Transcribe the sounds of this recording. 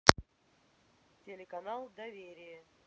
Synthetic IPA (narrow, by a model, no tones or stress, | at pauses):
tʲɪlʲɪkɐnalˠd̪ɐvʲeɾʲɪjə